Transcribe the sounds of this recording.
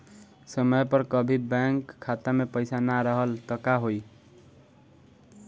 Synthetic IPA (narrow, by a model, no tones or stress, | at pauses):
sʌmʌjpʌɾkʌbʱibaŋkʰːat̪amepʌjsanaɾʌɦʌlt̪ʌkaɦoj